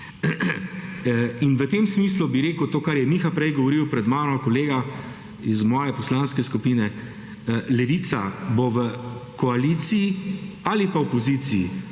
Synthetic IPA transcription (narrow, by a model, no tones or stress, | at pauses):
inʋət̪eːmsmis̬lubiɾeːkəwt̪oːkaɾjɛmixapɾɛjɡɔʋɔɾiwpɾɛd̪maːɾɔkɔleːɡa | izmɔːjɛpɔslaːnskɛskupiːnɛ | lɛʋit̪saboʋəkɔaliːt̪siiaːlipaɔpɔziːt̪siḭ